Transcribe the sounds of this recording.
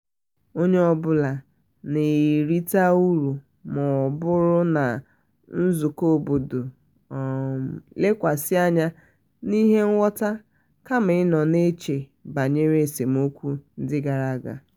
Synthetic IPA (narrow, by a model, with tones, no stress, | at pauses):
o˦ɲe˦ɔ˦bʊ˦la˨ | ne˨ɾi˦ta˦u˦ɾu˨ | mɔ˨bʊ˦ɾʊ˦na˨ | n̩˦zu˨ko˦˨bo˨do˨ | le˦kʷa˨sɪ˦a˦ɲa˦ | ni˦ɦe˦ŋ̩˦wɔ˦ta˦ | ka˦m̩˨ɪ˦nɔ˨ne˦t͡ʃe˨ba˨ɲe˦ɾe˦˨se˨m̩˦o˦kʷu˦n̩˦dɪ˦ɡa˨ɾa˦˨ɡa̰˨